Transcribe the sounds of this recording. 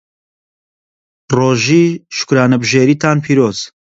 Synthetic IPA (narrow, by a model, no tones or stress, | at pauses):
roːʒiːʃʊ̥kuɾaːnɐbɨʒeːɾiːt̪ʰaːnpʰiːɾoːz̥